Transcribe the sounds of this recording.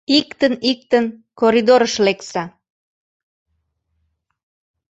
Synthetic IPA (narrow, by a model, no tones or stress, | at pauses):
ikt̪ənik̚t̪ən | koɾid̪oɾəʃleksɑ